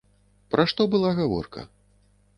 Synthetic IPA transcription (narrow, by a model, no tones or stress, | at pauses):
pɾaʂt̪ɔbɨlˠaɣavɔ̰rkɐ̰